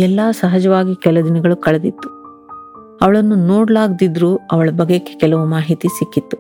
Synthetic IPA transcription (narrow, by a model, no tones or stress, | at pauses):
ɛlːaːsɐɦɐd͡ʒɐʋaːɡikɛlɐd̪inɐɡɐɭukɐɭed̪it̪ːu̥ | ɐʋɐɭɐnːunoːɽɐlaːɡd̪id̪ɾuːɐʋɐɭɐbɐɡːekːekɛlɐʋumaːɦit̪isikːit̪ːu̥